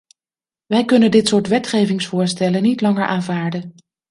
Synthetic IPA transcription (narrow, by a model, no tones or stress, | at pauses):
ʋɛjkɵnəndɪtsʊːɹtʋɛtχejvɪŋsfʊːɹstɛlənitlɑŋəɹʔaːnvaːɹdən